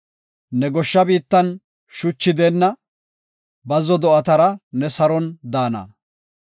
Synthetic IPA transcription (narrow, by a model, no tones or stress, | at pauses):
nɛɡɔʃːɐbiːt̪ːɐn | ʃʊt͡ʃːɪd̪ɛnːɐ | bɐzɔd̪ɔʔɐt̪ɐɾɐnɛsɐɾɔnd̪aːnɐ̰